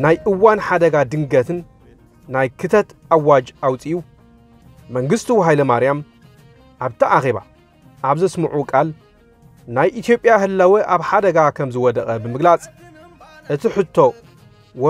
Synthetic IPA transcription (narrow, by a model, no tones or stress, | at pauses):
najʔɨwːanħad̪ɐɡad̪ɨŋɡɐt̪ʰɨnː | ajkʰɨt̪ʰɐt̪awːad͡ʒʔawt͡sʼijuː | ɐŋɡɨst̪ʰiwɦajlɐmaɾjam | ʔaβt̪ʰiʔaxe̞βa̰ | ʔaβzɐsmɨʕukʼal | najʔit̪ʰjo̞pʼjahɨlːɐwɨʔaβħad̪ɐɡakʰɐmzɨwɔd̪ɐxʼɐbɨmɨɡlat͡sʼ | ʔɨt̪ʰiħɨt̪ʰːo̞ | wɔ